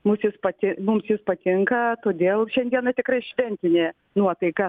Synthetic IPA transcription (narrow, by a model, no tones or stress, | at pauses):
mʊsjɪspɐt̪ʲɪmʊmsjɪspɐt̪ʲɪŋkɐt̪oːd̪ʲeːlˠʃʲɛnd̪ʲiɛnɐt̪ʲɪkrɐɪʃʲʋʲɛnʲt̪ʲɪnʲeː | nuɔt̪ɐɪkɐ